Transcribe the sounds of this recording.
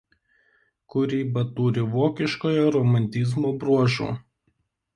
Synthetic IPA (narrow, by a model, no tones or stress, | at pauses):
kʊɾʲiːbɐt̪uːɾʲɪʋoːkʲɪʃkoːjɔɾɔmɐnʲt̪ʲɪzmoːbɾuɔʒʲṵː